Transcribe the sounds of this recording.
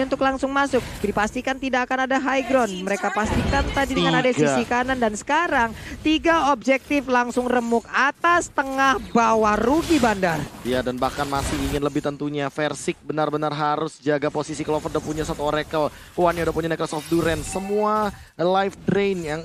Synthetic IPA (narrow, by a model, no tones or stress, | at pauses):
unt̪ʊklaŋsʊŋmasʊk̚dipast̪ikant̪idakanadaɦajɡɾɔnməɾekapast̪ikant̪adidəŋanadassikanandansə̥kaɾaŋt̪iɡaob̚d͡ʒɛk̚t̪ɪflaŋsʊŋrəmʊkat̪ast̪əŋahbawaɾuɡibandarjadanbahkanmasɪhiŋɪnləbɪht̪ənt̪uɲafɛrsɪk̚bənarbənarɦaɾʊsd͡ʒaɡaposisikəlɔfərdapuɲasat̪uoɾɛkəl | kwanɲaudapuɲanɛkɾosɔfduɾɛnsəmualajfdɾenjaŋ